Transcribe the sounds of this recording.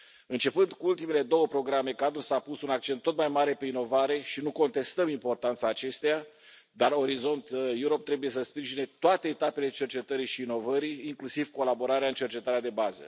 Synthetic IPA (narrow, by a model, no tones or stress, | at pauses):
ɨnt͡ʃe̞pɨnd̪kuult̪ime̞le̞d̪o̞wəpɾo̞ɡɾamekad̪ɾusapusunak̚t͡ʃe̞nt̪ːo̞t̪majmaɾe̞pe̞ino̞vaɾe̞ʃinuko̞nt̪e̞st̪əmimpo̞rt̪ant̪saːt͡ʃe̞st̪eja | d̪aro̞ɾizo̞nt̪juɾo̞p̚t̪ɾe̞buje̞səspɾiʒine̞t̪oat̪e̞ːt̪ape̞le̞t͡ʃe̞rt͡ʃe̞t̪əɾiʃiːno̞vəɾiːŋklusivko̞labo̞ɾaɾeaɨnt͡ʃe̞rt͡ʃe̞t̪aɾead̪e̞bazə̰